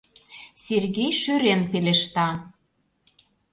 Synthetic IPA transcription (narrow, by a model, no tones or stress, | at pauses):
serɣejʃyɾenpeleʃt̪ɑ